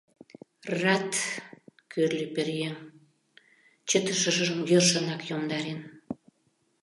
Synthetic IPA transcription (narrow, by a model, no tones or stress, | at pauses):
rɑt̪ | kʰørlʲeperjeŋ | t͡ɕə̆t̪əʃə̆ʒəʒə̆mɡørʃə̆nɑkjomd̪ɑɾen